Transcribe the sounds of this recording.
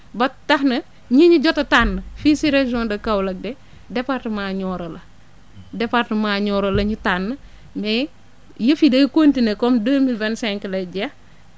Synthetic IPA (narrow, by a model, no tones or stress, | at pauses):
bɐtɐhnɐ | ɲiɲiɟɔtɐtanːɐfisiɾeʒɔndɐkɐwlɐk̚de | dɛpaɾtɐmaːɲɔːɾɐlɐ | dɛpaɾtɐmaːɲɔːɾɐlɐɲitanːɐ | me | jəfidɐkontinekɔmdəːmilvɛnsɛŋkəlɐɟɐ